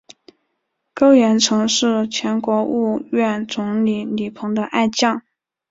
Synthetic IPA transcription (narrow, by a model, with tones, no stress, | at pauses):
ko˥ʊɥɛ˧˥nʈ͡ʂʰɤ˧˥ŋʂɻ̩˥˩t͡ɕʰjɛ˧˥nkwɔ˧˥u˥˧ɥɛ˥˩nt͡sʊ˧˥ŋli˧˩li˨˩pʰɤ˧˥ŋd̪ə˧ʔa˥˧ɪt͡ɕjɑ˥˩ŋ